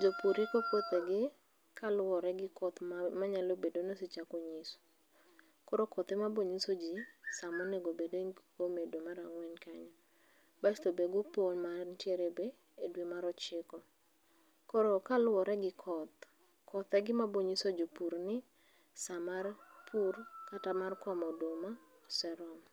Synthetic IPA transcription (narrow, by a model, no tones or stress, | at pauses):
d͡ʒopuɾikokot̪eɡɪ | kalwɔɾɛɡɪkɔt̪maɲalobedonosɪt͡ʃakɔɲisɔ̥ | kɔɾokɔt̪ɛmaboɲisod͡ʒisamɔnɛɡobedekomedomaɾaŋwɛnkaɲɔ | bastobeɡoponmarntjeɾebe | edwemaɾɔt͡ʃɪkɔ | kɔɾokalwɔɾɛɡɪkʰɔt̪ | kʰɔt̪ɛɡɪmaboɲisod͡ʒopuɾnɪ | samarpʰurkatamarkɔmɔdoma | ɔsɛɾɔm